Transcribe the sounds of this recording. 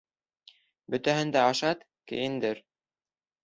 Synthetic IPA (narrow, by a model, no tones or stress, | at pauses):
bɵ̆t̪æɦɘ̆nd̪æɑʃɑt̪ | kɘ̰̆jɘ̆nd̪ɘɾ